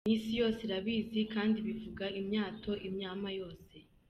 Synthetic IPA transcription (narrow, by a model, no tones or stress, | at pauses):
isijo̞ːseɾaβiːzikaːndiβivuɡaimɲaːtʰo̞ʔimɲaːmajo̞ːse̞